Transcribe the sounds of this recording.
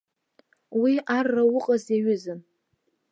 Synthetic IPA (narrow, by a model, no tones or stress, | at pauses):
wiʔarːawʊqʼazeɥʏzɨn